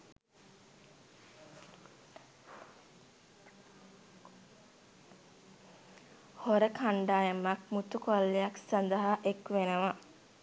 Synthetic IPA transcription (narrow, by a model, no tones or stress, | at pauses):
hoɾəkʰaɳɖaːjəmakmut̪ukolːejaksand̪əɦaʔekʋenəʋa